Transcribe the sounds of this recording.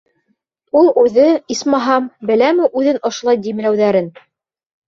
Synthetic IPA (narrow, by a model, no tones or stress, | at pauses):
ulˠʉðɘismɑɦɑmbɘ̆læmɘʔʉðɘnŏʃŏlˠɑjd̪imlæwðæɾɘn